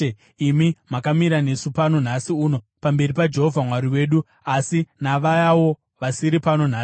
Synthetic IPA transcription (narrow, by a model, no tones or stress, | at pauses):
imimakamiɾane̞supanon̤asiuːno̞ | pambe̞ripad͡ʒe̞ɦovʱamwaɾiwe̞ːɗu | asinaʋajawo | ʋasiɾipano̞n̤aːsi